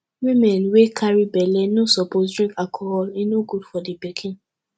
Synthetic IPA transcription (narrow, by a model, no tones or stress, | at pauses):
wĩmɛ̃nwekʰaɹibɛlɛnosɔposdɹĩŋkakʰɔɾɔlinoɡud̥fɔdibikʰĩn